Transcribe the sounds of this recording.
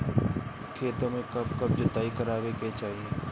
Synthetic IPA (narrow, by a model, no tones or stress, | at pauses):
kʰeːt̪õmẽkɐb̚kɐb̚d͡ʒʊt̪aːikəɾaːʋeket͡ʃaːɦieː